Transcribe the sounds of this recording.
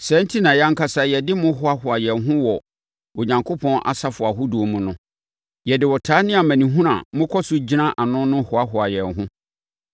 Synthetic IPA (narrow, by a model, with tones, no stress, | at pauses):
sɛ̃˨˦n˦tʰi˦nã˨jã˦ŋ̩˦kʰa˦sa˦jɛ˨dɪ˦mʊ̃˦ɦʊ˦a˦hʊ˨a˨jɛ̃˨nɦʊ̃˦wɔ˨ | o˨ɲã˨ŋkʰo˦pʰɔ̃˦nʔa̰˨sa˦fʊ˨a˨ɦʊ˦do˨mũ˨nʊ̃˦ | jɛ˨dɪ˨wɔ˨tʰaː˨˦nɪ̃˦a˨mæ̃˨nĩ˨ɦũ˦ɾã̰˨˦mʊ̃˦kʰɔ˦sʊ˦d͡ʑi˦nã˦ʔa˨nʊ̃˦nʊ̃˦hʊ˨a˦ɦʊ˨a˨jɛ˨nɦʊ̃˦